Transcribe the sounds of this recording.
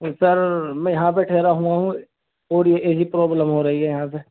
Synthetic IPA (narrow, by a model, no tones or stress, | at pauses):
sɐɾmɛ̃ːjɐɦãp̬eʈʰeːɾaɦũaɦũ | oːɾjeʔeːd͡ʒipɾɔːbləmɦoɾɐɦiɦɛjɐɦãpe